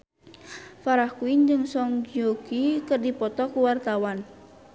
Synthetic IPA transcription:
faɾahkuind͡ʒɨŋsɔŋd͡ʒokikərdipɔt̪ɔkuwart̪awan

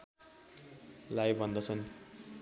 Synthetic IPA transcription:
lajbʱʌnd̪ʌt͡sʰʌn

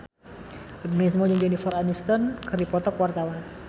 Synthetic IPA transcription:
əbnes̬mɔd͡ʒɨŋd͡ʒɛnifɔranist̪ɔnkɨrdipɔt̪ɔkwart̪awan

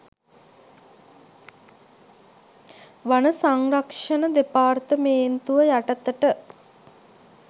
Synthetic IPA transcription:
ʋanəsaŋrakʂənəd̪epaːrt̪əmeːnt̪uʋəjaʈət̪əʈə

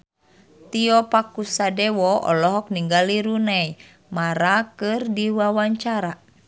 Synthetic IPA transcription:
t̪iɔpakusadɛwɔɔ̰lɔɦɔk̚niŋɡaliɾunɛj | maɾakɨrdiwawaɲt͡ʃaɾa

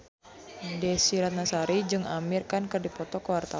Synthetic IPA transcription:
dɛsiɾat̪̚nasaɾid͡ʒɨŋamirkankɨrdipɔt̪ɔkəwart̪a

